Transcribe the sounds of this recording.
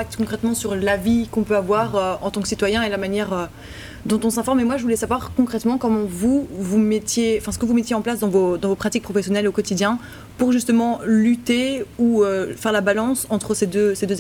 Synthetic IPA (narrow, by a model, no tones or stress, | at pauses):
ak̚t̪kɔ̃kχɛt̪mɑ̃syʁlavikɔ̃pøavwaʁøɑ̰̃t̪ɑ̃ksit̪wajɛ̃elamanjɛʁø | d̪ɔ̃t̪ɔ̃sɛ̃fɔʁmemwaʒəvulɛsavwaʁkɔ̃kχɛt̪mɑ̃kɔmɑ̃vuvumɛt̪jeɑ̃fɛ̃sə̥kəvumɛt̪jeɑ̃plasd̪ɑ̃vod̪ɑ̃vopχat̪ik̚pχɔfɛsjɔnɛlokɔt̪id̪jɛ̃ | puʁʒyst̪əmɑ̃lyt̪euøfɛʁlabalɑ̃sɑ̃t̪χəsed̪øsed̪øz